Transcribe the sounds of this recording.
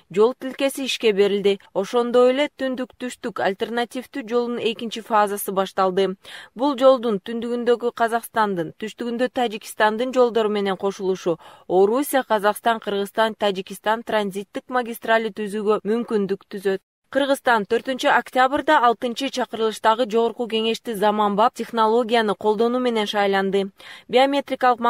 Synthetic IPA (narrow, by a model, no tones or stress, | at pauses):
d͡ʒo̞lˠt̪ilke̞siiʃke̞be̞ɾild̪io̞ʃo̞nd̪o̞je̞le̞t̪ynd̪ykt̪yʃt̪ykalʲt̪ʲe̞rnat̪ʲift̪yd͡ʒo̞lˠunune̞kint͡ʃifazasɯbɑʃt̪ɑlˠd̪ɯbulˠd͡ʒo̞lˠd̪unt̪ynd̪yɡynd̪ø̞ɡyqʰɑzɑqst̪ɑnd̪ɯnt̪ʰyʃt̪yɡynd̪øt̪ʰad͡ʒikʲi̥st̪ɑnd̪ɯnd͡ʒo̞lˠd̪o̞ɾume̞ne̞ɴqʰo̞ʃulˠuʃuo̞ɾusʲijaqʰɑzɑqst̪ɑɴqʰɯɾʁɯzt̪ɑnt̪ʰad͡ʒikʲist̪ɑnt̪ranzʲit̪ːikmaɡʲist̪ralʲit̪yzyːɡø̞mymkynd̪ykt̪ʰyzø̞t̪̚ | qʰɯɾʁɯzt̪ɑnt̪ʰø̞ɾt̪ynt͡ʃyaktʲabrd̪ɑːlˠt̪ɯnt͡ʃɯt͡ʃʰɑqɯɾɯlˠɯʃt̪ɑʁɯd͡ʒo̞ʁo̞ɾquke̞ŋe̞ʃt̪izɑmɑmbɑp̚tʲe̞χnolˠo̞ɡʲijanɯqʰo̞lˠd̪o̞nuːme̞ne̞nʃɑjlˠɑnd̪ɯbʲɪomʲe̞t̪rʲɪkɑlˠɯq